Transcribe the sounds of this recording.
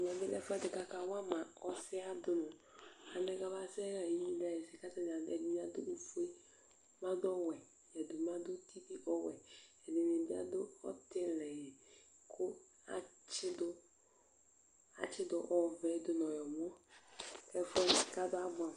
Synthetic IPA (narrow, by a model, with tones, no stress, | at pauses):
ɲ˨ɛ˨bɪ˦lɛ˦fɛ˦dɪ˨ka˨ka˨wa˦mã˨ɔ˦sɪ˦a˦dʊ˨nʊ̃˨a˨nɛ̃˦ɡa˦ba˦sɛ˦ɣa˨ji˦ĩ˦da˨jɛ˨sɪ˨ka˦ta˦n˨a˨ɛ˨di˦ɲ˦a˨dʊ˦nu˨fu˦e˦ | mã˦dɔ˦wɛ˨ | jɛ˨dʊ˨mã˦d̪ʊ˦tʰi˦vi˦ʔɔ˦wɛ̰˨ɛ˨nɪ˨nɪ˨bi˦a̰˦dʊ˦ɔ̰˦tɪ˦˨lɛ˨jɛ˨ | kʰʊ˦ | a̰˨ | t͡ʃɪ˦dʊ˦ | a̰˨t͡ʃɪ˦dʊ˨˦ʔɔ˦˨vɛ˨˦d̪ʊ˨n˨ɔ˨jɔ˨mɔ˦ | ɛ˦fɛ˦˨sɪ˨ka˦dʊ˦a˦bʊ˨a˨